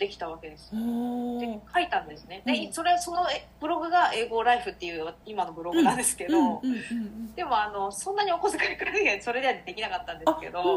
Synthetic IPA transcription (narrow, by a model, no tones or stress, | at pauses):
d̪e̞kʲi̥t̪aβake̞d̪e̞sɨ̥oekʰait̪ãnd̪e̞sɨne̞d̪eso̞ɾe̞so̞no̞b̥ɯ̟ɾo̞ɡɯ̟ɡaʔe̞ːɡo̞ɾaiɸɯ̟t̪ːe̞jɯ̟ːimano̞bɯ̟ɾo̞ɡɯnãnd̪e̞sɨ̥ke̞d̪o | d̪̥e̞mo̞ano̞sõ̞nːaɲ̟io̞kozɨkaɾikɯɾaɯjaso̞ɾe̞d̪e̞ad̪e̞kʲinakat̪ːãnd̪e̥ke̞̰d̪o̞